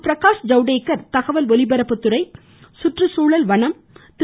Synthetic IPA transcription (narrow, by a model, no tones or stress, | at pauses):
pɾɐkaːʂd͡ʒɐʊɽeːkːɐɾt̪ɐɣɐʋɐlɔlɪbɐɾɐpːɯt̪ːɯɾɐɪ | sʊʈrɯsuːɭɐlʋɐɳɐm | t̪